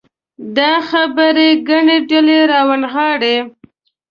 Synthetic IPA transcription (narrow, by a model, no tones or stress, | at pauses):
d̪ɑxabəɾeɡaɳeɖaleɾɑwanɣɑɽe